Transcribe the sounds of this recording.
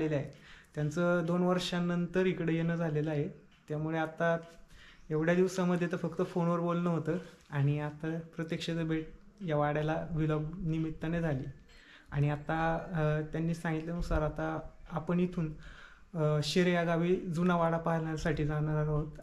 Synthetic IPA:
leləaɦet̪jant͡səd̪onʋəɾʂãnənt̪əɾikɽejenəːd͡zʱaleləaɦe | t̪jamuɭeat̪a | eʋɽ̤jad̪iʋsaməd̪ʱjet̪əfəkt̪əfonʋəɾbolnəɦot̪əːaɽ̃iat̪apɾət̪jəkʂət͡səbʱeʈ̚jaʋaɽjalaʋiləbnimit̪ːəned͡zʱaliː | aɽ̃iat̪at̪janːiːsãŋɡit̪lenusaɾat̪aːpəɳit̪ʰuːn | ɕeɾjaɡaʋiːd͡zunaʋaɽapaɦalaasaʈʰiːd͡zaɽad͡zaɾɦot̪

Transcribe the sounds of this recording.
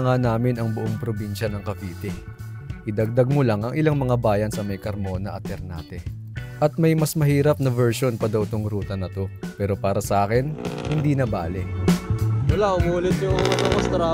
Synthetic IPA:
ŋanaːmɪnɐŋbʊʔoŋpɾobinʃɐnɐŋkɐviːt̪ɛʔɪd̪ɐɡ̚d̪ɐɡ̚mʊlaŋɐŋʔɪlaŋmɐŋabaːjɐnsɐmɐjkɐɾmo̞ːnɐʔɐt̪ːɛɾna̰ːt̪ɛ | ʔɐt̪̚mɐjmɐsmɐhiːɾɐp̚nɐvɛɹʃo̞npɐd̪ɐwt̪oŋɾuːt̪ɐnɐt̪o̞pɛːɾo̞paːɾɐsɐʔaːkɪnhɪnd̪iːnɐbaːlɪ | wɐlaʔʊmuːlɪt̪jʊɐt̪ɐmɐst̪ɾa

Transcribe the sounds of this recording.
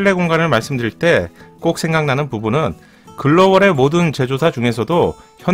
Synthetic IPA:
iɭːe̞ɡoŋɡanɯɭmaɭs͈ɯmdɯɾiɭt͈e̞k͈ok̚s͈ʰe̞ŋɡaŋnanɯnpubunɯn | kɯɭːʌwʌɾe̞modɯnt͡ɕe̞d͡ʑosʰad͡ʑuŋe̞sʰʌdo | çjʌ

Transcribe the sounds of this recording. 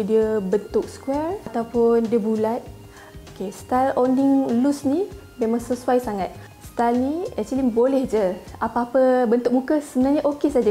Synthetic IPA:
diəbənt̪ʊk̚skuɛrt̪awpʊndiəbulat̪̚ | okest̪alondiŋlusni | memãŋsəsuajsaŋat̪̚ | st̪alniɛt͡ʃilinbolɛhd͡ʒəapaapəbənt̪ʊk̚mũkəsəbənarɲaʔokesad͡ʒa

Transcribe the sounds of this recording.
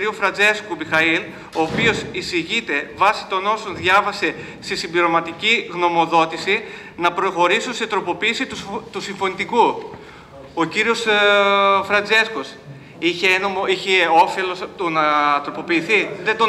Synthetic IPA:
ɾiofɾɐnd͡ze̞skumixɐil | o̞ːpio̞sisiʝit̪e̞vɐsi̥t̪o̞no̞sonðʝɐvɐse̞ | st̪esimbliɾo̞mɐt̪iciɣno̞mo̞ðo̞t̪isi | nɐpɾo̞xo̞ɾisunse̞t̪ɾo̞po̞piːsit̪ut̪usiɱfo̞nit̪iku | o̞ciɾio̞s | fɾɐnd͡ze̞skos | içenomoiçeo̞felo̞sɐt̪unɐt̪ɾo̞po̞piːθiðed̪o

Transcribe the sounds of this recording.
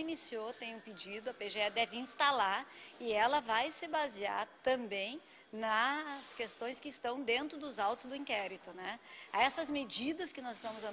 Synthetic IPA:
inisiot̪ẽj̃ʊ̃pɪd͡ʒid̪ʊɐpeʒeɛd̪ɛvɪĩst̪alaɾɪɛlɐvajsɪbazia̰ɾt̪ɐ̃mbẽj̃ | nɐskest̪õj̃skɪːst̪ɐ̃w̃d̪ẽnt̪ɾʊd̪ʊzawt̪ʊzd̪ʊĩkɛɾit̪ʊnɛaɛsɐzmed͡ʒid̪ɐskɪnɔzɪst̪ɐ̃mʊzɐ

